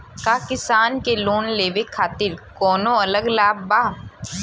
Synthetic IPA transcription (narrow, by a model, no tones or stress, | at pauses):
kaːkɪsaːnkeloːnleːʋekʰːaːt̪ɪɾkɔːnõɐləɡlaːbbaː